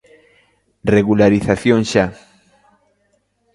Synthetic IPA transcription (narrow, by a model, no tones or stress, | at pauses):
reɣulaɾiθaθjoŋʃa